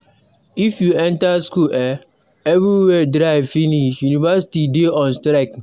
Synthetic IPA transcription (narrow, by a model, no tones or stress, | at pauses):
ifjuɛ̃ntaskulʔɛ | ɛvɾiwɛdɾaɪvfiniʃjunivasi̥tideɔ̃nstɾak